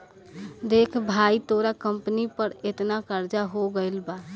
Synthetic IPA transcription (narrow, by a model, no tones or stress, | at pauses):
d̪ekʰbʱait̪oɾakəmpnipəɾet̪nakəɾd͡ʒaɦoɡəɪlba